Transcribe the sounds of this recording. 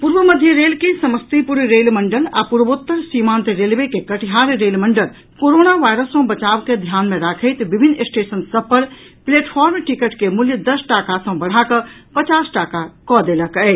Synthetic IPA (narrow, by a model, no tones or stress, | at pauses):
puɾʋəməd̪ʱjəɾeːlkesəməst̪ipuɾɾeːlməɳɖəla̰puɾbot̪ːəɾsimãːnt̪eɾelʋekekəʈiɦaːɾɾeːlməɳɖəl | koɾoːnaʋaːjɾəsɔ̃bət͡ʃaːʋked̪ʱjaːnmẽɾakʰəɪt̪bibʱinːesʈeːsənsəb̚pəɾpleːʈpʰɔːɾmʈikəʈkemuljəd̪əsʈaːkasə̃bəɽ̤akəpət͡ʃaːsʈaːkakɔd̪eːləkəː